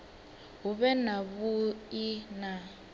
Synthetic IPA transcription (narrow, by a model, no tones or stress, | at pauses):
ɦuβɛnaβuina